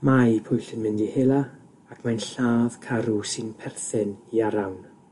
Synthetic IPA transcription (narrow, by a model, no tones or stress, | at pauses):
majpʰʊjɬənmɪndiheːlˠa | akʰmajnɬaːð̥kʰaɾusɪnpʰɛrθɪniaɾawn